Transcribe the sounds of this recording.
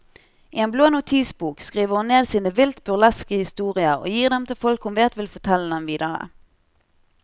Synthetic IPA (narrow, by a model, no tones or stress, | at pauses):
ʔiːeːnbloːnʊt̪ʰiːsbuːkskʁiːʋəʁhʊnneːd̪siːnəʋɪlt̪bʉʁlɛskəhɪst̪uːʁɪəʁo̰ːjiːʁd̪ɛmt̪ʰɪlfɔlkhʊmʋeːt̪ʋɪlfɔʁt̪ʰɛlːəd̪ɛmʋiːd̪əʁə̰